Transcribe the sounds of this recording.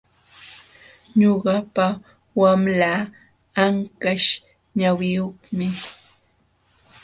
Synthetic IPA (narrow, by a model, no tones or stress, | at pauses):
ɲoɢɑpa | wamlaː | aŋkaʃ | ɲawɪjoχmɪ